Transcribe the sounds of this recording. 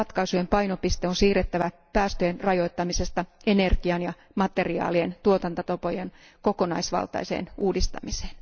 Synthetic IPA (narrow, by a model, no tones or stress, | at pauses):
ɑt̪kɑisujempɑinopist̪eonsiːret̪ːæʋæ | pæːst̪øjenrɑjo̞it̪ːɑmise̞st̪ɑenerɡ̥iɑnjɑ | mɑt̪eriɑ̰ːlient̪uot̪ɑnt̪ɑt̪opojen | ko̞konɑ̰isʋɑ̰lt̪ɑ̰isḛːnuːdist̪ɑ̰mise̥ːn